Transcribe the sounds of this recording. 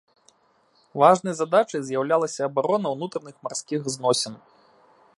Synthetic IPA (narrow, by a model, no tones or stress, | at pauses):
vaʐnɐjzad̪at͡ʂɐjzʲjawlʲalˠɐsʲɐːbaɾɔnɐwnut̪ɾɐnɨxmarskʲixznɔsʲɐn